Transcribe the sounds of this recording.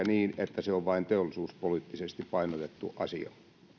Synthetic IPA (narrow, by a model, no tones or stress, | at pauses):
æniːnet̪ːæseoʋʋɑint̪eolːisuːspoliːˑt̪ːisest̪ippɑinot̪et̪ːṵʔʔɑsḭɑ̰